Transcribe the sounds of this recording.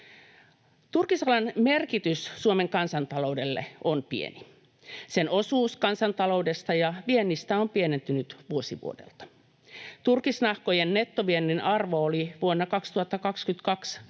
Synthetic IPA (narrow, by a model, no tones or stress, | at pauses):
t̪urkisɑlɑnmerkit̪yssuomeŋkɑnsɑnt̪ɑloude̞lːḛonpḭḛni | senosuːskɑnsɑnt̪ɑlouwdest̪ɑjɑʋienːist̪æompienent̪ynyt̪ʋuosiʋṵodḛlt̪ɑ̥ | t̪urkisnɑhkojenːet̪ːoʋienːinʔɑrʋooliʋuonːɑkɑkst̪uhɑt̪ːɑkɑkskyt̪kɑks